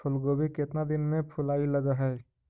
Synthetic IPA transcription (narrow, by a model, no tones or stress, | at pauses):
ʊlɡoːbikɪt̪nad̪ɪnmẽpʰʊlaːilɐɡaɦɛː